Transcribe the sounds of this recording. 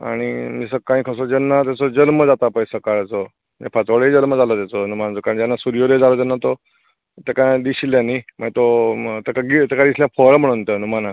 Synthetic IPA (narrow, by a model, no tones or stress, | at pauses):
a̰ɽ̃iesəkãĩkʰəsod͡ʑɛnːat̪̬jat͡sod͡ʑəlməd͡zat̪apajsəkaɭt͡so | ḛpʰat͡soɽɦed͡zəlməd͡zalot̪jat͡sonumanat͡sokaɾəɳd͡ʑanːasuɾijod̪ed͡zalot̪̬ɛnːat̪o | t̪ekãd̪iɕiljãniməɡt̪ot̪ekaɡit̪ekãd̪isljãfoɾm̤əɽunt̪ənumana